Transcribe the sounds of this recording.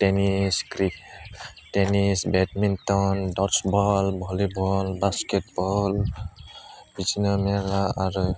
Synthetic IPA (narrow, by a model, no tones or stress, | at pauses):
tɛniskɹi | tɛnisbɛtmintɔndɔsbɔlbʱɔlibʱɔlbaskɛt̚bɔl | bizinɔmɛɹaaɹu